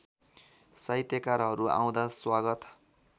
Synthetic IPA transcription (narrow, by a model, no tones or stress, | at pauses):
sʌjt̪jʌkaɾɦʌɾua̰w̃d̪aswaɡʌt̪